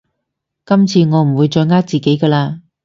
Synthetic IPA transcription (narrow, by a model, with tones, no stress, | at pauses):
kɐ˥mt͡sʰiː˧ŋɔː˨˧m̩˨˩wuː˨˧jt͡ʃɔː˧jŋaː˥t̚t͡siː˨˩ke˨˥jkaː˧laː˧